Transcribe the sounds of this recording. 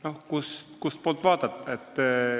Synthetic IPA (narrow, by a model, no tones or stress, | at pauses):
nohkuskust̪̚poːlt̪ːˑvɑːd̪̥ɑt̪ːˑet̪ː